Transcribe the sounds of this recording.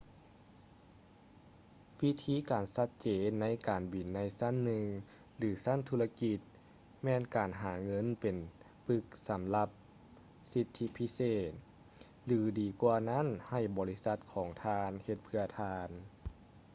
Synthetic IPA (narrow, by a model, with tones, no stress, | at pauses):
wi˧t̪ʰiː˧˥˨kaː˨˩nsa˧t̪̚t͡ɕeː˨nːa˧˥˨jkaː˨˩nbi˨˩nːa˧˥jsa˧˥˨nːɯ˧ŋ | lɯː˨˩˦sa˧˥˨nt̪ʰuː˧la˧ki˧t̪̚ | mɛː˧nkaː˨nɦaː˨˩˦ŋɤ˧˥˨npe˨˩n | pɯ˧˥k̚sa˨˦mla˧p̚ | si˧t̪ʰːi˧˥pʰi˧˥seː˧˩t̪̚ | lɯː˨˩˦diː˨˩kwaː˧na˧˥˨nha˧˩jbɔː˨˩li˦˥sa˧˦t̪̚kʰɔː˩˦ŋt̪ʰaː˧nhe˧t̪̚pʰɯ˧ɐt̪ʰaː˧n